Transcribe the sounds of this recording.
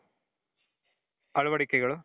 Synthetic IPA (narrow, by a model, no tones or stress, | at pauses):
ɐɻuʋɐɽikʲːɐɣɐɭ